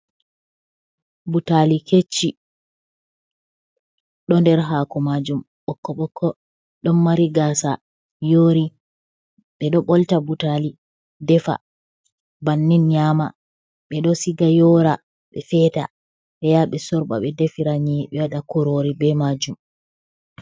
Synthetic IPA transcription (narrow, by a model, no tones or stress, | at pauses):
butaliket͡ʃːi | ɗɔndɛɾɦaːkɔmad͡ʒum | ɓɔkːɔɓɔkʰːɔ | ɗɔnmaɾiɡasa | joːɾi | ɓɛɗɔɓɔltabutali | dɛfa̰ | banːinɲama̰ | ɓɛɗɔsiɡajɔɾa | ɓɛ̰fɛta̰ | ɓɛjaɓɛsɔɾɓa̰ɓɛdefiɾaɲiɓɛwaɗakuɾoɾibɛmad͡ʒum